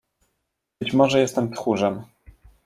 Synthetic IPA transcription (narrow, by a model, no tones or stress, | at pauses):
bɘt͡ɕmɔʐɛjɛst̪ɛmpxuʐɛm